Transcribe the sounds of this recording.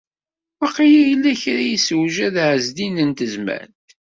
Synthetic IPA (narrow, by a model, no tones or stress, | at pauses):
wæqijæjəlːæçɾajiswʒæðʕəzd̪inənt̪əzmæ̰nt̪